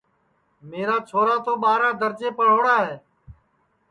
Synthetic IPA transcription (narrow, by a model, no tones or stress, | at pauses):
meːɾaːt͡ʃʰoːɾaːt̪oːɓaːɾaːd̪əɾd͡ʒeːpəɽ̤oːɽaːɦeː